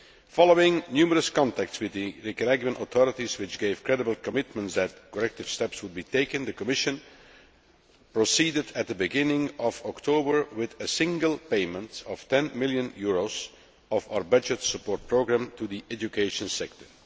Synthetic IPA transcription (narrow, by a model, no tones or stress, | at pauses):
fɑlˠoɪ̃ŋnjʉːməɹəskɑ̃ntæk̚tswɪðɨɹikəlɛɡə̃nʔət̪ʰɔɹətizwɪt͡ʃɡeɪv̥kɹɛdəbəl̩ˠkɔmɪtmə̃ntsd̪æt̚kəlɛk̚tɪv̥stɛpswʊd̚biːteɪkɨ̃nd̪ðəkɔmɪʃə̃n | pɹosiːdɨdæt̪̚d̪əbɨɡɪ̃nɪ̃ŋɔvɔktʰoʊbəɹwɪðəsɪ̃ŋɡəlˠpeɪmə̃ntɔftɛ̃nmɪlˠjə̃njuɹoz | ɔvaʊə˞bʌd͡ʒətsəpɔːɹt̚pʰɹoʊɡɹæ̃mtudiʔɛd͡ʒukʰeɪʃə̃nsɛk̚tə˞